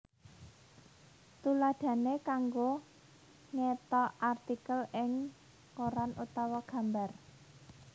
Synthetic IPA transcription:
t̪ulad̪̥ä̤nekaŋɡo | ŋet̪ɔʔart̪ikəlɪŋ | koɾanʔut̪ɔwɔɡ̥ä̤mbar

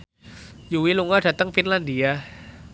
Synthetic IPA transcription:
juwiluŋad̥at̪aŋfinlandia

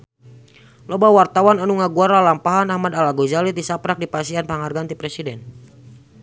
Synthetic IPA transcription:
lɔbawart̪awananuŋaɡuaɾalampaɦanahmadalaɡozalit̪̚disapɾak̚dipasianpaŋarɡant̪ipɾɛsidɛn

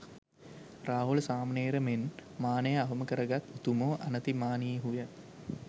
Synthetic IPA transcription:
raːɦulsaːməneːɾəmenmaːnəjəaɦəməkəɾəɡat̪ut̪umoːʔanət̪imaːniɦujə

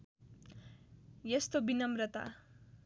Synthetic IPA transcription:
jest̪obinʌmrʌt̪a̰

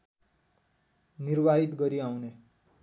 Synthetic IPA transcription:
niɾbaɦit̪ɡʌɾiawne

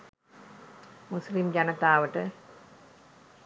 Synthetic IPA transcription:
muslimd͡ʑanət̪aːʋəʈə

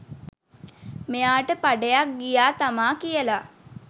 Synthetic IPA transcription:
mejaːʈəpaɖejak̚ɡijaːt̪amaːkijəla

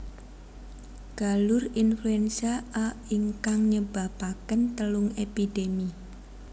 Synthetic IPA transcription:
ɡ̥a̤lʊrinfluɛnsiaʔaiŋkaŋɲəb̥apakənt̪əlʊŋepid̥emi

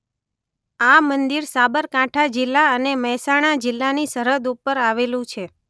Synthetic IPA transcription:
amənd̪iɾsabəɾkaʈʰad͡ʒɪlːaəneməɦsaɽ̃ad͡ʒɪlːanisəɾəd̪upːəɾaʋelũt͡ʃʰe

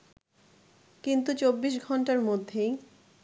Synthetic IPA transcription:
kint̪ut͡ɕobːiʃɡʱɔɳʈaɾmod̪ʱːej

